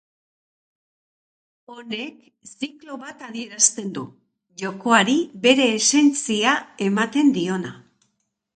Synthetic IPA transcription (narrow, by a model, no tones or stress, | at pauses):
o̞ne̞k | siklo̞βat̪aðie̞ɾast̪e̞nd̪u | ʝo̞ko̞aɾiβe̞ɾe̞ːse̞nt͡siae̞mat̪e̞nd̪io̞na